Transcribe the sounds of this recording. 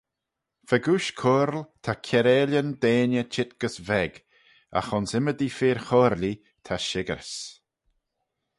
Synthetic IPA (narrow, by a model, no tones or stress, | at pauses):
fɛɡuʃkʰoːɾlt̪ʰakʰɛɾɛːlʲənd̪eːnjət͡ʃʰɪt̪̚ɡ̥əsvɛɡ | a̰xɔnsɪməd̪ifeːɾxɔːɾli | t̪ʰaʃɪɡəɾs